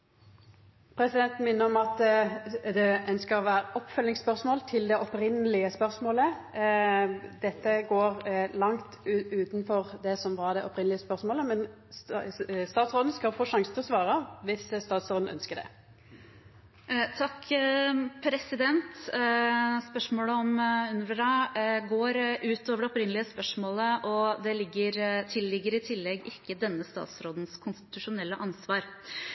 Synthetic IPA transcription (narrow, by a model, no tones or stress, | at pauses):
pʰɾɛsɪd̪ɛnt̪n̩mɪnːəɔmɑt̪ | d̪ɛœnskəɔʋæːɾəʔɔpːfœlnɪŋspœʁsmoːlt̪ʰɪld̪ɛʔɔpɾɪnəlɪəspœʁsmoːlə | d̪ɛt̪ːəɡoːʁlɑŋt̪ʉʉːt̪nfɔʁd̪ɛsɔmʋɑʁd̪ɛʔɔpɾɪnlɪəspœʁsmoːləmɛn | st̪ɑːt̪sʁoːd̪n̩skɑlfoːʂɑŋsənt̪ʰɪlɔsʋɑːʁəʋɪsst̪ɑːt̪sɾoːd̪n̩ʔœ̰nskəd̪ɛ̰ | t̪ʰɑkː | pʰɾɛsɪd̪ɛnt̪ | spœʂmoːləɔmʉnɾəɾɑɡoːɾʔʉːt̪oːʋəɖɛɔpɾɪnəlɪəspœʂmoːləʔɔd̪ɛlɪɡːəɾt̪ʰɪlːɪɡːəɾɪt̪ʰɪlːɛɡɪkːəd̪ɛnːəst̪ɑ̰ːt̪sɾoːd̪n̩skʰʊnst̪ɪ̥t̪ʉʂʊnɛlːəʔɑnsʋɑːɾ